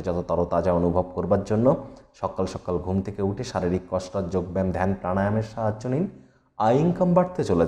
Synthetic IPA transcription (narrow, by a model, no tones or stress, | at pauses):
d͡ʑɔt̪ot̪ɔɾot̪ad͡ʑaonubʱob̚koɾbaɾd͡ʑonːoʃɔkalʃɔkalɡʱumt̪ʰekeuʈʰeʃaɾiɾikːɔʃʈɔd͡ʑoɡ̚bɛmd̪ʱɛnpɾanajomeɾʃaɦadd͡ʑonin | ajiŋkambaɽt̪et͡ɕole